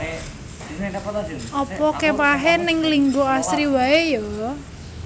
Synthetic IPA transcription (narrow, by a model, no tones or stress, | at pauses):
ɔpɔkepaɦenɪŋliŋɡoasɾiwaejɔwɔ